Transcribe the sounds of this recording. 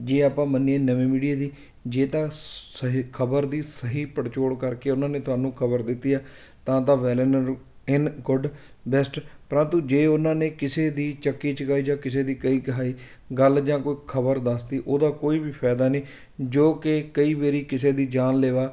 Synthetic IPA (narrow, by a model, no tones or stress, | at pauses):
d͡ʒeːaːpãːməniẽːnəʋẽːmiːɽiaːd̪iː | d͡ʒeːt̪ãːɦkʰəbəɾd̪iːsəɦiːpəɽt͡ʃoːɽkəɾkeːʊnãːneːt̪ʊɦaːnũːkʰəbəɾd̪ɪt̪ːiːaː | t̪ãːt̪ãːʋɛːlənəɾ | ɪnɡʊɖ | bɛsʈpəɾə̃nt̪ũːd͡ʒeːʊnãːneːkɪseːd̪iːt͡ʃəkːiːt͡ʃəkaːiːd͡ʒãːkɪseːd̪iːkəiːkəɦaːiː | ɡəld͡ʒãːkoːiːkʰəbəɾd̪əst̪iːʔoːd̪aːkoːiːbiːpʰɛːd̪aːniː | d͡ʒoːkɪkəiːʋeːɾiːkɪseːd̪iːd͡ʒaːnleːʋaː